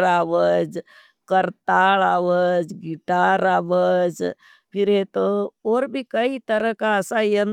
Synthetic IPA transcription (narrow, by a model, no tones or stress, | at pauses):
ɾaʋəd͡ʒ | kəɾt̪aɭaːʋəd͡ʒɡiʈaɾaːbəd͡ʒ | pʰiɾɦet̪ooɾbʱikəit̪əɾəɦkaəsãjən